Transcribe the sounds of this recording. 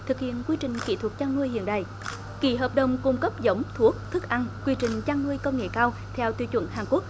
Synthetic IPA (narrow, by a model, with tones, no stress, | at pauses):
t̪ʰɨ˨˩k̚hḭ˧˨ənkwi˧t͡ɕï˨˩ŋ̟ki˧˩t̪ʰu˨˩k̚t͡ɕaː˧ŋnu˧əjhḭ˧˨ənɗa̰ː˧˨j | kḭ˧˥ɦəː˨˩p̚ɗə˨˩wŋ͡mku˧ŋ͡mkə˦˥p̚zə˨˦wŋ͡mt̪ʰu˦˥ək̚t̪ʰɨ˦˥k̚ʔa˧ŋkwi˧t͡ɕï˨˩ŋ̟t͡ɕaː˧ŋnɨ˧əjkə˧wŋ͡mŋḛ˧˨kaː˧w | t̪ʰɛ˧wt̪wi˧˦t͡ɕwə̰˧˩nhaː˨˩ŋku˦˥ək̚